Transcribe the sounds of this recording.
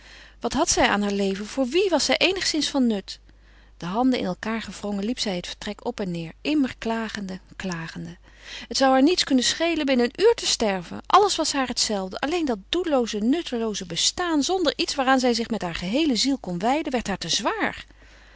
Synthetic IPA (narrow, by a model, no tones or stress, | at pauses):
ʋɑtɦɑtsɛja̰ːnɦaːɹlejvənv̥ʊːɹʋiʋɑsɛjʔejnəχsɪnsfɑnːɵt | d̥əɦɑndənɪ̰nɛlˠkaːɹχəv̥rɔŋənlipsɛjɦətfə̥ɹtrɛkɔpɛnːɪːɹʔɪməɹklaːχənəklaːχəndə | ɦətsɑwɦaːɹnitskɵnəsχejlənbɪnəənʔyːɹtəstɛɹvə̰nʔɑləsʋɑsɦaːɹɦətsɛlˠvdəʔɑlejndɑt̚d̥ulowzənɵtəlowzəbəstaːnzɔndəɹʔitsʋaːraːnzɛjzɪχmɛtɦaːɹχəɦejləzilˠkɔnʋɛjdənʋɛɹtɦaːɹtəzʋaːɹ